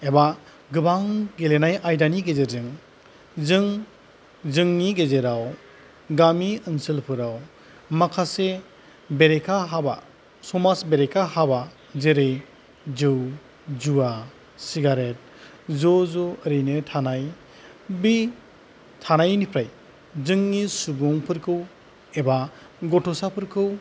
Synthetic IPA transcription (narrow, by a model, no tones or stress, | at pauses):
eba | ɡɯbaŋɡelenajʔajdaniɡezeɾzɯŋ | zɯŋ | zɯŋniɡezeɾaw | ɡamiɯnsilpʰɯɾaw | makʰase | beɾekʰaɦaba̰ | sɔmasbeɾekʰahaba | zeɾɯj | zɯw | d͡ʒua | siɡaɾet̚ | zɔzɔəɾɯjnɯtʰanaj | bi | tʰanajnipʰɾaj | zɯŋːisubɔŋpʰɯɾkʰɯw | eba | ɡɔtʰɔsapʰɯɾkʰɯw